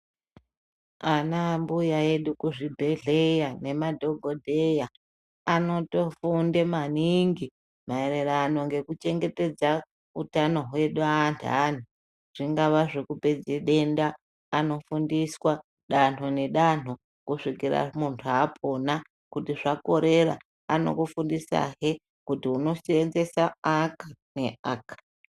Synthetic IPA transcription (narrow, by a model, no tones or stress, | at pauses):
anambujae̞ɗukuʐibʱe̞ɮe̞jane̞madʱo̞ɡʱodʱeja | ano̞to̞fundemaniŋɡi | maeɾeraːno̞ŋɡe̞kut͡ʃe̞ŋɡe̞te̞d͡za | utano̞ɦwe̞ɗuantʰa̰n̤u | ʐ̥iŋɡaʋaʐekupe̞d͡zeɗe̞ndaː | no̞fundiswa | ɗan̤̥one̞ɗan̤o | kuʂikiɾa̰muntʰuaːpʰo̞na | kutiʐako̞ɾe̞ra̰ | ano̞̰kufundisa̰ɦe | kutiuno̞senze̞saakane̞aːkḁ